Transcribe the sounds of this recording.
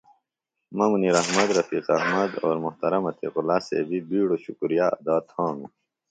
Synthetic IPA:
mɐmuniːɾɐɦmɐd̪ɾɐfiːqɐɦmɐd̪oːɾmʊht̪ɐɾɐmɐt̪ʰḭːqulaːsḛːbibiːɽoɕukɾijaːɐd̪aːt̪hõːnu

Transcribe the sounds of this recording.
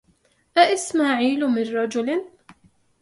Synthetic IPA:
ʔaʔɪsmaːʕiːlʊmɪnɾˤɑd͡ʒʊlɪn

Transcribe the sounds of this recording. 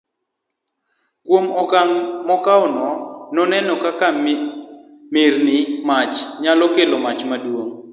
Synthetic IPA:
kwom | mɔkaɔnɔnɔnɛnɔkaka | mɪrnɪmat͡ʃɲalɔkelomat͡ʃmadwoŋ

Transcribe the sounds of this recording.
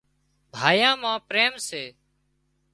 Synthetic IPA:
b̪ʱaːjãːmãːpɾeːmseː

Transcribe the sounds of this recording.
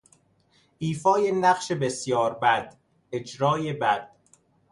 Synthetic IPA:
ʔiːfɒːjenæɢʃebesjɒːɾbæd̪̥ | ed͡ʒɾɒːjebæd̪̥̚

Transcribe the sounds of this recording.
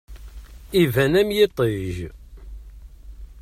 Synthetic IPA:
ivænæmjɪt̪ˤiʒ

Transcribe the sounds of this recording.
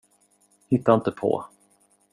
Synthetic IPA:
hɪt̪ːaɪnt̪əpʰɔ̰

